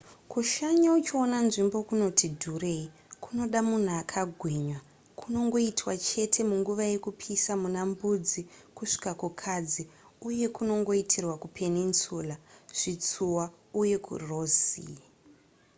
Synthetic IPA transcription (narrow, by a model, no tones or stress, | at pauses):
kuʃaɲaut͡ʃio̞nanʐimbo̞kuno̞tidʱurei | kʰuno̞ɗamun̤uakʰaɡʱweːɲwa | kʰuno̞ŋɡo̞itwat͡ʃe̞tʰe̞muŋɡuʋaje̞kupʰisamunambud͡zikuʂi̥kakukʰad͡ziuje̞kuno̞ŋɡo̞itʰirwakupʰe̞ninsuːlaʐ̥it͡suwa | uje̞kʰṵro̞ːzḭ